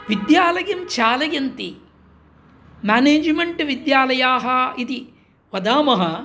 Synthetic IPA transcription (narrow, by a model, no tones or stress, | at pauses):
ʋid̪jaːlɐjɐmt͡ʃaːlɐjɐnt̪i | maːneːd͡ʒmeɳʈʋid̪jaːlɐjaːɦɐit̪i | ʋɐd̪aːmɐɦɐ